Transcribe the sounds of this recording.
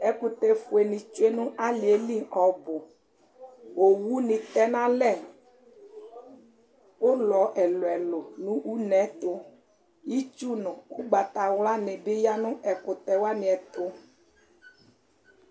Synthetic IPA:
ɛ˨kʊ˨t̪ɛ˨fʊ˨e˨nɪ̃˨t͡ʃʊ˦e˦nʊ̃˦ʔa˦lɪ˨e˨li˦˨ʔɔ˨bʊ˨ | o˨wu˦nɪ̃˨t̪ɛ˦nã˦lɛ˦˨ | ʊ˦lɔ˨˦ʔɛ˨lʊ˨ɛ˨lʊ˨nũ˦u˦nɛ̃˨˦t̪ʊ˦ | ji˦t͡ʃu˦nʊ̃˨ʊ˦ɡ͡ba˨t̪a˨wla˦nɪ̃˨bɪ˦ja˦nʊ̃˦ʔɛ˨kʊ˨t̪ɛ˨wa˦nɪ̃˨ɛ˨t̪ʊ˦

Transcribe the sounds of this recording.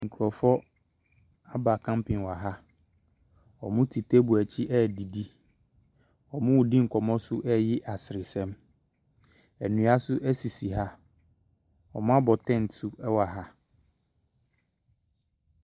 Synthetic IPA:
ŋ̩˨kʰu˨ɾɔ˨fɔ˦ | a˦ba˨kʰã˦mpʰɪ̃˨nwa˨ɦa˦ | ɔ˨mʊ̃˦tʰi˨tʰe˦bu˨æ˨t͡ɕʰi˦ʔɛ˦˨di˨di˦ | ɔ˨mʊ̃˦wdĩ˦ŋ̩˨kʰɔ˨mɔ̃˦sʊ˦ʔɛ˦jɪ˦ʔa˨sɪ˨ɾɪ˨sɛ̃˦m | æ˨nũ˨˦a˦sʊ˦ʔɛ˦si˨si˨ɦa˦ | ɔ˨mʊ̃˦a˦bɔ˨tʰɛ̃˦˨ntʰʊ˦ɛ˦wa˨ɦa˦

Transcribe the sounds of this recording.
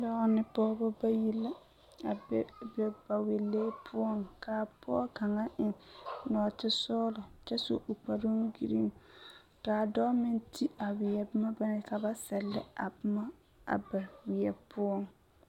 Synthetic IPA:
dɔ˦nɪ˦pɔː˦bɔ˦ba˦ji˦lːa˦ | a˨bbɛ˨ba˨we˨lːeː˦pʰʊ˦ɔ˦ŋkʰaː˨pɔː˦ka˨ŋa˦ʔɪ˨ŋnɔː˨tɪ˦sɔː˦lɔ˨t͡ʃɛ˦so̰˦ʔo˨k͡pa˨ɾo˦ŋɡḭ˨ɾḭ˦ŋ | kaː˨dɔ˦mɪ˦ntʰi˦a˨wɪ˨ɛ˨bɪ˦ma˦ba˦nɛ˨ka˨ba˦sɛ˨lːɪ̰˦a̰˨bɪ˦ma˦ | a̰˨ba˨wɪ˨ɛ˨pʰʊ˦ɔ˦ŋ

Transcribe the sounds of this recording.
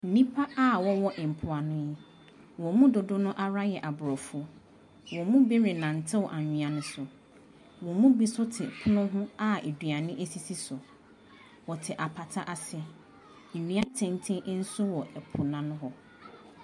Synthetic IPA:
n̩˨nĩ˦pʰa˦a˦wɔ˦wɔ˦ʔɪ̃˨m̩˨pʰʊ˨a˨nʊ̃˦jɛ˦ | wɔ̃˨mũ˦dʊ˨dʊ˦nʊ̃˦ʔa˦ɾa˦jɛ˨ʔa˨bʊ˨ɾɔ˨fu˦ɔ˦ | wɔ̃˨mũ˦be˦ɾɪ˨nã˨n̩˨tʰɪ̃˦wʔa˨ɲᶣĩ˨ã˨nʊ̃˦sʊ˨ | wɔ̃˨mũ˦bi˦sʊ˦tʰɪ˨kʰʊ˦nʊ̃˦ɦʊ̃˦a˦e˨dɥa˨nɪ̃˦ʔe˦si˦˨si˦sʊ˨ | wɔ˨tʰɪ˨ʔa˨pʰa˨tʰa˦ʔa˨sɪ˦ɛ˨ | n̩˨nĩ˨˦a˦tʰɪ̃˨n˦tʰĩ˦n̩˦sʊ˦wɔ˨ʔɛ˨pʰʊ˨nã˨nʊ̃˦ɦɔ˦

